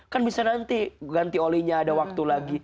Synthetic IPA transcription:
kanbisanant̪iɡant̪iolɛɲaːdawak̚t̪ulaɡi

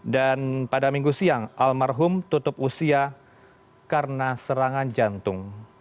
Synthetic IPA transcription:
danpadamiŋɡusiaŋʔalmarɦʊmt̪ut̪ʊpusia | karənasəɾaŋand͡ʒant̪ʊŋ

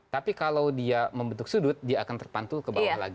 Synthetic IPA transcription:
t̪apikalawdiaməmbənt̪ʊk̚sudʊt̪̚diaːkant̪ərpant̪ʊlkəbawala̰ɡi

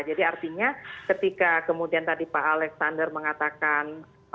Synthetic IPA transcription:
d͡ʒadiart̪iɲakət̪ikakəmudiant̪adipaːlɛksandərməŋat̪akan

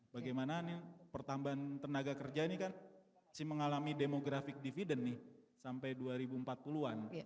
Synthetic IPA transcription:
baɡajmananipərt̪ambaant̪ənaɡakərd͡ʒainikan | sɪməŋalamidemoɡɾafɪk̚difidənːɪh | sampajduaɾibumpat̪̚puluan

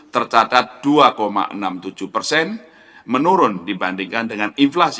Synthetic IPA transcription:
t̪ərt͡ʃat̪at̪̚d̥uakoma̰ʔə̰namt̪ud͡ʒ̥uhpərsɛn | mənuɾʊndibandiŋkandəŋaninflas

